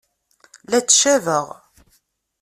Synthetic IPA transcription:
læt͡sːʃævəʁ

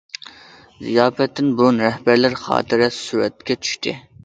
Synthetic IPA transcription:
zijɑːfɛt̪ʰːɪnbunɾɛhbæɾlɪɾχɑ̰ːt̪ʰɨɾɛsuːɾɛt̪kʲɛt͡ʃʰy̥ʃt̪ʰɪ̰

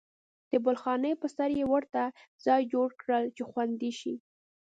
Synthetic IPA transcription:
d̪̥əbʊlxɑnəpəsaɾjewəɾt̪az̥ɑjd͡ʒoɽkɽəlt͡ʃexwand̪iʃi

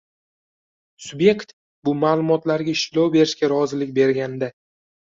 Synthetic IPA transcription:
sʊbje̞kʲt̪ | bʊmaːlˠʊmɒt̪laɾɡʲaɪʃlɒwbe̞ɾɪʃkʲaɾɒzɪlɪk̚ʲbe̞ɾɡʲand̪a

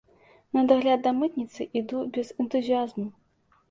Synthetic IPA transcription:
nɐd̪aɣlʲad̪ːɐmɨt̪nʲit̪sɨʔid̪ubʲɛzɛnt̪uzʲijazmu

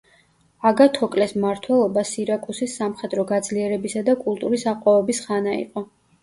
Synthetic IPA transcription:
aɡat̪ʰɔkʼlɛsmaɾt̪ʰwɛlˠɔbasiɾakʼusisːamχɛd̪ɾɔɡad̪zliɛɾɛbisad̪akʼulˠt̪ʼuɾisaqʼwavɛbisχanaḭqʼɔ

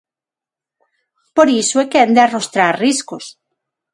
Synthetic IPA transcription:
poɾisoekend̪earost̪ɾaɾriskos

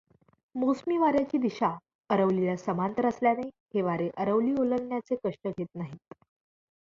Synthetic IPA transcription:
mosmiʋaɾjat͡ɕiːd̪iɕa | əɾəʋlilasəmant̪əɾəsljaneheʋaɾeʔəɾəʋliːolənːjat͡sekəʂʈəɡʱet̪̚naɦiːt̪

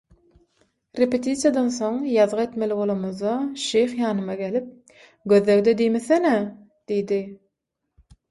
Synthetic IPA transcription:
ɾepet̪ʰit̪sjɑd̪ɑnθo̞ŋjɑðʁɑet̪meliβolˠomoðɑʃejχjɑːnɯmɑɡelip̚ | ɡøðløɣd̪ed̪ijmeθene | d̪̥ijd̪i

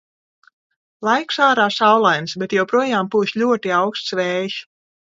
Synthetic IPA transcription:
lˠajksaːɾaːsawlˠajnsbɛt̪jɛwpɾuɔjaːmpuːsʎʲuɔt̪iawkst̪svɛːjs

